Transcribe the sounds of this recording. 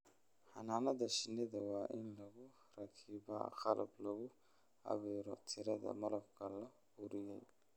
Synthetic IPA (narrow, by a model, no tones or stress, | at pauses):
hɐ̰naːnɐðɐʃɪnɛðɐwaːʔɪnlɐɣʊ | rɐkʰiːbɐ̰qɑlʔɐ̰blɐɣʊ | hɐ̰βiːɾɔt̪ʰɪɾɐðɐ̰mɐɾɐbkʰɐlɐ | ʊɾɪjɛj